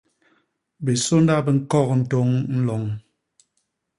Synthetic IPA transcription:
be˨so˦nda˦bə˨ŋ̩˦kɔ˦˨kn̩˦to˦ŋn̩˦lɔ˨ŋ

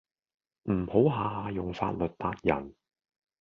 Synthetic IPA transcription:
m̩˨˩ho˨˥wɦaː˨˧ɦaː˨˧jʊ˨ŋfa̰ː˧t̚lɵ˨t̚t̪aː˧t̚jɐ̰˨˩n

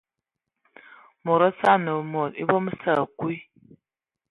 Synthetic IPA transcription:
mo˨ɾa˦sa˦˨nə˨mɔ˨ɾi˦bo˦m˦sa˦˨ku˦i˦

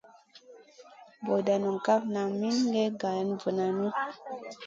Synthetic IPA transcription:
bo˨da˨nu˨ŋ˨ka˦fna˨mi˦nŋɡɛ˦ɡa˨˦nvə˨na˨nu˦

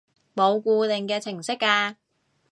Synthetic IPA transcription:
mo˨˧wkuː˧t̪ɪ˨ŋkɛː˧t͡sʰɪ˨˩ŋsɪ˥kːaː˧

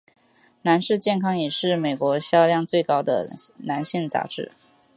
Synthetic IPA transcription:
na˧˥nʂɻ̩˥˧t͡ɕjɛ˥˩nkʰɑ˥ŋjɛ˨˩ʂɻ̩˥˩me˨˩ɪkwɔ˧˥ɕjɑ˥˧ljɑ˥˧ŋt͡swe˥˩ɪkɑ˥ʊd̪ə̰˨˩na˧˥nɕi˥˩ŋt͡sa̰˧˥ʈ͡ʂɻ̩˥˩

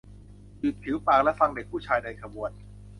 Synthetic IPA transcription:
biː˨˩t̪̚pʰi˨˦wpaː˨˩klɛ˦˥ʔfa˧ŋde˨˩k̚pʰuː˥˩t͡ɕʰaː˧jda˧jkʰa˧mu˨˩ən

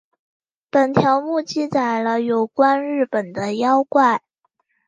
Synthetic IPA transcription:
pə˨˩nt̪ʰjɑ˧˥ʊmu˥˧t͡ɕi˥˩t͡sa˨˩ɪlə˦jo˨˩ʊkwa˥nɻɻ̩˥˩pə˨˩nd̪ə˦jɑ˥ʊkwa˥˩ɪ

